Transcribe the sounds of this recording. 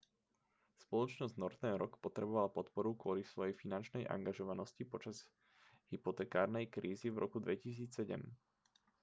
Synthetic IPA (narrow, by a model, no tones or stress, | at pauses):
spɔlɔt͡ʃnɔzɟnɔɾt̪ɛnɾɔkpɔt̪ɾɛbɔʋalapɔt̪pɔɾukʊɔlisʋɔjɛjfinant͡ʃnɛjʔa̰ŋɡaʒɔʋanɔscipɔt͡ʃaz̥ | ɦipɔt̪ɛːkaːɾnɛjkɾiːzivɾʔɔ̰kud̪ʋɛcis̬iːt͡ssɛɟɛ̰m